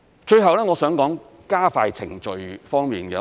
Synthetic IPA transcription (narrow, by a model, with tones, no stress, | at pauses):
t͡ʃɵ˧ɥɦɐ˨wlɛː˥ŋɔː˨˧sœː˨˥ŋkɔː˨˥ŋ | kaː˥faː˧jt͡sʰɪ̰˨˩ŋt͡ʃɵ˨ɥfɔː˥ŋmiː˨˩nɡɛ̰˧